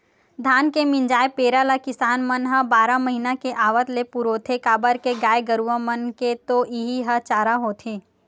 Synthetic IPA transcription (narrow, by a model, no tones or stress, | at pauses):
d̪ʱaːnkemɪ̃nd͡ʒaːepeːɾalakɪsaːnmənɦãbaːɾamɐɦiːnakeʔaːʋət̪lepuɾoːt̪ʰekaːbəɾkeɡaːeɡəɾuʋə̃mənket̪oʔiɦiɦɐt͡ʃaːɾaɦoːt̪ʰeː